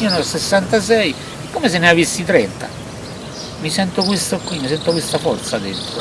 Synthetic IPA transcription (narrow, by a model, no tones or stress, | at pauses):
ɔnɔsesːant̪as̬ɛi | ɛkːomes̬enːeavisːit̪ɾɛnt̪a̰ | misɛnt̪okwist̪okːwimisɛnt̪okwist̪afɔɾt̪sad̪ent̪ɾo